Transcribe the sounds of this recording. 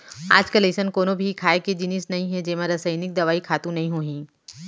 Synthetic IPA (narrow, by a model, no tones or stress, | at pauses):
a̰ːd͡ʒkɐleːʃənkoːnobʱikʰaːeked͡ʒɪnɪsnɐɦĩɦɛ̃d͡ʒeːmaɾɐsəɪnɪk̚d̪ɐʋaːikʰaːt̪ũnɐɦĩɦoːɦĩː